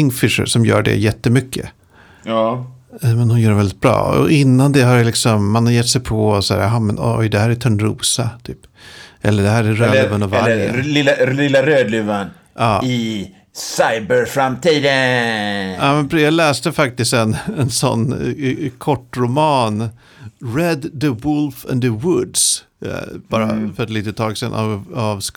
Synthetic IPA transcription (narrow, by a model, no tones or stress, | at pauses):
ɪŋfɪʂə̰ɾʂɔmjœ̰ːɖɛ̰jɛt̪ːəmʏkʰːə̰ | mɛnhʊnjœːɖɛvɛld̪ɪt̪bɾɑ̰ːɔ̰ʔɪnːand̪ɛɦaɾlɪksɔmːanhaɾjɛt̪ːsɛjpʰɔɔsɔæ̰ːɾɦɑmɛnɔ̰jd̪ɛhæːɾæt̪ʰœɳɾṵːsat̪ʰyːpʔɛ̰lːəɖɛɦæːɾæɾøːd̪ʉːvanɑvaɾə̰lɪɪlːaɾøːd̪lʉvan | ʔɑːɪ | saɪbəɾfɾamt̪ʰiːd̪ə | aːmɛnbɾjɑːlɛːst̪əfak̚t̪ɪst̪ɛnɛnsɔ̰nːkʰɔʈːɾʊmɑːn | ɾɛd̪ːəwʊlfɛ̰nd̪əwʊd̪s | b̥ɑːɾa̰fœɾɛt̪liːt̪ət̪ʰːɑːɡsɛ̰nʔa̰avs